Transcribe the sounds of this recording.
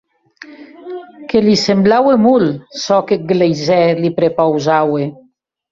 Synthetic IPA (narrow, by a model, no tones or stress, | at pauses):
kelisemblawemulsɔkeɡlejzɛlipɾepawzawe